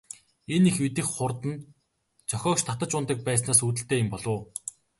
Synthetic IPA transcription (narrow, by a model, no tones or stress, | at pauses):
enixmit̪ɘ̆xχʊrt̪ə̆n | t͡sʰœxʲɔːkʃt̪ʰat̪ə̆t͡ɕʊnt̪ə̆k̚pæːs̬naːsuːt̪̬ɘ̆ɬt̪eːjɪmpɔɮʊ̆ː